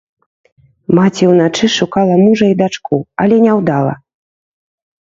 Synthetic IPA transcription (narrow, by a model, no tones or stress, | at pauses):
mat͡sʲiwnat͡ʂɨʂukalˠɐmuʐɐid̪at͡ʂkʰuɐlʲɛnʲɛwd̪alˠɐ̰